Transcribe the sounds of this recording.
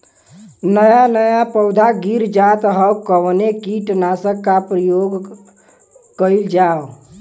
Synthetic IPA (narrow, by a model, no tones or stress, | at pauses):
nəjanəjapəwd̪ʱaɡiɾd͡ʒat̪ɦəwkəʋnekiʈnasəkːapɾəjoɡ | kəɪld͡ʒaw